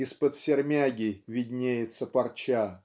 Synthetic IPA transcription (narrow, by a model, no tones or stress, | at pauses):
ispət̪sʲɪrmʲaɡʲɪvʲɪdʲnʲejɪt̪səpɐrt͡ɕa